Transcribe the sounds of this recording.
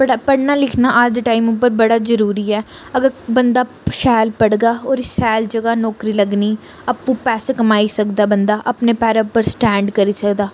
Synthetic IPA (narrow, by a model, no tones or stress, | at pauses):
pəɽapəɽnaːlɪkʰnaːʔad͡ʒd̪əʈaːimʊpːəɾbəɽaːzəɾuːɾiːɛː | əɡəɾbənd̪aː | ʃɛːlpəɽɡaːɔːɾɪsɛːld͡ʒəɡaːnɔːkɾiːləɡniː | əpːũːpɛːseːkəmaːisəkd̪aːbənd̪aːʔəpneːpɛːɾepːəɾsʈɛ̃ːɳɖkəɾiːsəkd̪aː